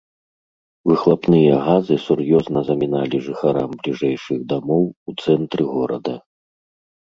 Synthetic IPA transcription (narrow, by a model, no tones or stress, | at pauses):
vɨxlˠapnɨjɐɣazɨsurjɔznɐzɐmʲinalʲiʐɨxaɾamblʲiʐɛjʂɨɣd̪amɔwut̪sɛnt̪ɾɨɣɔɾɐ̰d̪ɐ